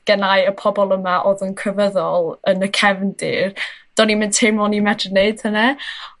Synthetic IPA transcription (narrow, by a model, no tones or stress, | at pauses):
ɡ̥ɛnajəpʰɔbɔlˠəmaʔɔðənkʰrəvəðɔlˠənəkʰɛvndɪ̰rd̥ɔnimɪntʰɪmɔnimɛdrəneɨd̥hənɛ